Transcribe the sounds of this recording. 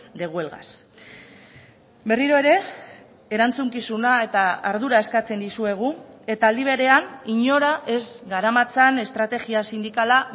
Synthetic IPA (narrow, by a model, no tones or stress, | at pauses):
d̪e̞ɣ̞ue̞lɣa̰s | be̞riɾo̞e̞ɾe̞ | eɾant͡suŋkisunae̞t̪aaɾð̞uɾae̞skat͡se̞nd̪isue̞ɣ̞ue̞t̪aːld̪iβ̞e̞ɾe̞aniɲo̞ɾaʔe̞zɡaɾamat͡sane̞st̪ɾat̪e̞ɣiasind̪ikala